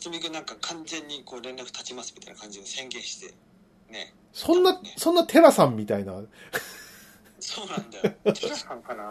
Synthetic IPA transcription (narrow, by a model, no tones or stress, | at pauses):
t͡sɨmʲiɡɯnãŋkakʰãnzẽ̞ɲ̟ːiko̞ːɾẽ̞nɾakɯ̟̥t̪at͡ɕimasɨ̥mʲit̪a̰ḭna̰kãɲ̟d͡ʑinosẽ̞ŋɡẽ̞ːɕi̥t̪e̞̰ | ne̞̰ | sõ̞nːasõ̞nːat̪ʰe̞ɾasãmːʲit̪aina | soːnãnd̪ajoasãŋkana